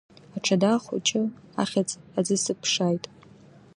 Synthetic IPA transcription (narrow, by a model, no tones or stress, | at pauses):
aʈ͡ʂʰadaχʷʊ̰t͡ʃʼɪa̰χʲat͡sʼad͡zɨsɨpʰʂajtʼ